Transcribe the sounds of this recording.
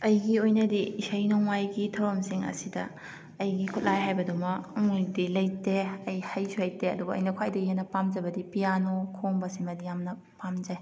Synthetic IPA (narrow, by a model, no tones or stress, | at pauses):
ɐjɡiojnɐdiːsɐjnɔŋajɡitʰɐwɾɐmsiŋɐ̰sidɐ̰ː | jɡikʰut̚lajɦajbɐdumɐkŋujdilɐjteɐjhɐjzuhajteɐdubɐɐ̰jnɐkʰwajdɐɡiɦenɐpamd͡ʒɐbɐdipijanokʰoŋbɐsiŋmɐdijamnɐ | pamd͡ʒaj